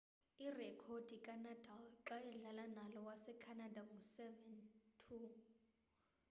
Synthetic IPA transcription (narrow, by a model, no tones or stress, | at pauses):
irɛkʰod̥ʱikʼanatʰʼalǁajɛɮalanalɔwasɛkʰanadaŋusɛvɛntʰu